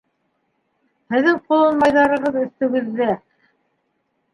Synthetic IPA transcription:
hɘ̆ðɘŋqulˠɤ̆nmɑjðɑɾɤ̆ʁɤðɵ̆θt̪ɵ̆ɡɘ̆ðːæ

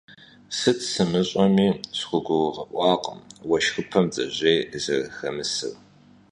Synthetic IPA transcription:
sɨtʰsɨmɨɕʼɔmiːsχʷʊɡʷʊwʁɐʔʷʼɑːqʼə̰mwɐʃxɨpʰɐmd͡zʼɐ̰ʑeːzɐ̰rxɐmɨsɨ̰w

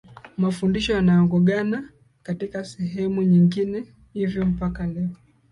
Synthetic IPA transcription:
mafundiʃɔjanajɔŋɡɔɠana | katikasɛɦɛmuɲiŋɡinɛ | hivjɔm̩pakalɛɔ

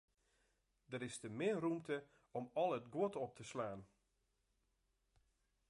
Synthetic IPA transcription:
dəɾɪstəmɪərumtə | ɔmɔlˠətɡwotɔp̚tʰəslaːn

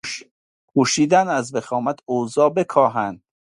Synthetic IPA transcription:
ʃ | kʰuːʃiːd̪ænæzbexɒːmæt̪ozɒːbekʰɒːɦænd̪̥

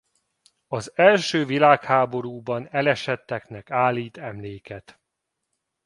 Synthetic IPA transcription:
ɒzɛlʃøːvilaːkhaːbo̞ɾuːbɒnɛlɛʃɛt̪ːɛknɛkaːlːiːt̪ɛmleːkɛt̪

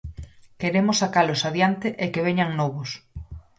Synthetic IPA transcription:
keɾemʊsakalosaðjant̪eʔekeβ̞eɲaŋnɔβos

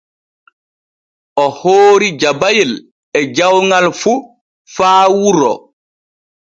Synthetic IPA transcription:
ʔɔhoːɾid͡ʒabajil | ɛd͡ʒawŋalfu | faːwuɾɔ̰

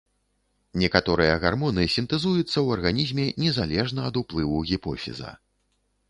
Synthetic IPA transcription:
nʲɛkat̪ɔɾɨjɐɣarmɔnɨsʲint̪ɨzujut̪sːɐwɐrɣanʲizʲmʲɛnʲɛzalʲɛʐnɐɐd̪uplˠɨwuɣʲipɔfʲḭzɐ̰

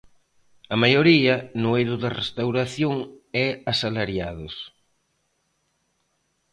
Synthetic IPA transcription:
ɐmajoɾiɐnʊejðʊðarest̪awɾaθjoŋɛasalaɾjaðos

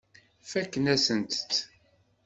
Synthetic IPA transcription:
fækːənæsənt̪t͡sː

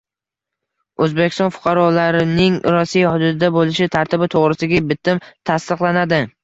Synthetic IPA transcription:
ɵzbekʲɪ̥st̪ɒnfʊ̥qʰɑɾɒlaɾɪnɪŋɾɒsijahʊd̪ʊd̪ɪd̪abolɪʃɪt̪ʰaɾt̪ʰɪbɪt̪ʰoʁɾɪsɪɡʲabɪt̪ʰɪmt̪ʰast̪ɨqlˠanad̪ɪ

